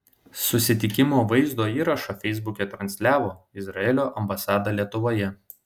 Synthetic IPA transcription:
sʊsʲɪt̪ʲɪkʲɪmoːʋɐɪzd̪oːiːɾɐʃɐfʲɛɪzbʊkʲet̪ɾɐnʲsʲlʲæːʋoːɪzɾɐɛlʲoːʔɐmbɐsɑːd̪ɑlʲiɛt̪ʊʋoːjɛ

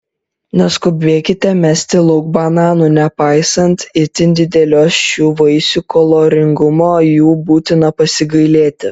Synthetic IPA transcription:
nʲɛskʊbʲʋʲeːkʲɪt̪ʲɛmʲæsʲt̪ʲɪlˠʊɡ̚bɐnɑːnuːnʲɛpɑɪsɐnt̪ɪt̪ʲɪnʲd̪ʲɪd̪ʲɛlʲoːsʃʲuːʋɐɪsʲukolˠoːɾʲɪŋɡʊmoːjuːbuːt̪ʲɪnɐpɐsʲɪɡɐɪlʲeːt̪ʲɪ

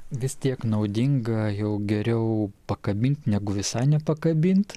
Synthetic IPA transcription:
ʋʲɪst̪ʲiɛknɐʊd̪ʲɪŋɡɐjɛʊɡʲɛɾʲɛʊpɐkɐbʲɪnʲt̪ʲnʲæːɡʊʋʲɪsɑɪnʲɛpɐkɐbʲɪnʲt̪

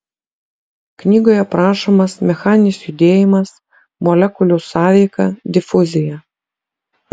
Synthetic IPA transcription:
knʲiːɡoːjɛpɾɑːʃomɐsmʲɛxɑːnʲɪsjʊd̪ʲeːjɪmɐs | mɔlʲɛkʊlʲʊːsɑːʋʲɛɪkɐ̰d̪ʲɪfʊzʲɪjɛ

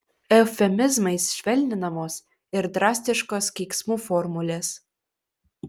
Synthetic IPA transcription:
ɛfʲɛmʲɪzmɐɪsʃʲʋʲɛlʲnʲɪnɐmoːs | ɪɾd̪ɾɑːsʲt̪ʲɪʃkoskʲiːksmuːfɔɾmʊlʲeːs

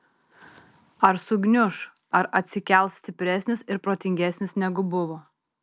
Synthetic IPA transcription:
ɐɾsʊɡnʲʊʃ | ɐɾʔɐt̪ʲsʲɪkʲɛlˠʲt̪ʲɪpʲɾʲɛsʲnʲɪsɪɾpɾoːt̪ʲɪŋʲɡʲɛsʲnʲɪsnʲɛɡʊbʊʋoː

